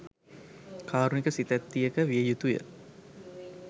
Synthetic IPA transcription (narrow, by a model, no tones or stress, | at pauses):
kʰaːɾunikəsit̪æt̪ːijəkəʋiəjut̪ujə̰